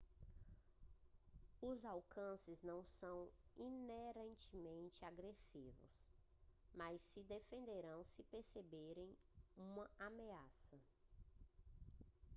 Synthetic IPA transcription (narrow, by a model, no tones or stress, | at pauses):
ʊzawkɐ̃sɪznɐ̃w̃sɐ̃w̃ineɾẽnt͡ʃɪmẽnt͡ʃɪaɡɾesivʊ̰s | majsːɪd̪efẽnd̪eɾɐ̃w̃sɪpeɾsebeɾẽj̃ | ũmɐameasɐ